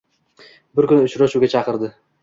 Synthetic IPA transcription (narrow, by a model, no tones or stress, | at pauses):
bɪɾkʲʊnʊt͡ʃʰɾaʃuɡʲat͡ʃʰɑqɨɾd̪ɪ